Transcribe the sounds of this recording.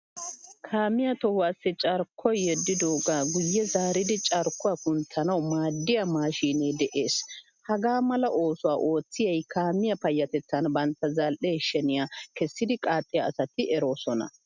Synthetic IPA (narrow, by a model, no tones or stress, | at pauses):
kʰaːmɪjɐt̪ɔhaːsːɪt͡ʃʼɐɾkʰːɔjjɛd̪ːɪd̪oːɡaːɡʊjːɛzaːɾɪd̪ɪt͡ʃʼɐɾkːʊwɐkʊnt̪ʰːɐnɐwmaːd̪ːɪjɐmaːʃiːneːd̪ɛʔeːs | hɐɡaːmɐlɐʔo̞ːsʊwaːʔo̞ːt͡sːɪjɐjkʰaːmɪjɐpɐjːɐt̪ɛt͡sːɐnbɐnt̪ːɐzɐlʔeːʃɛnɪjakɛsːɪd̪ɪkʼaːt̪ʼːɪjɐːsɐt̪ɪɛɾo̞ːsɔnɐ̰